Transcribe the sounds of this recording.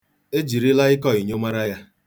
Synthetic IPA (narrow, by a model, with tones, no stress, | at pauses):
e˦d͡ʒi˨ɾi˦la˦ɪ˦kɔ˦i˨ɲo˦ma˦ɾa˦ja˦